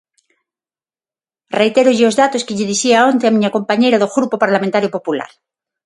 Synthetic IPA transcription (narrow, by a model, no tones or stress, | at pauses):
rejt̪eɾoʝeozðat̪oskeʎeðisiaont̪eamĩɲako̞mpaɲejɾaðoɣɾupopaɾlamẽnt̪aɾjopo̞pula̰ɾ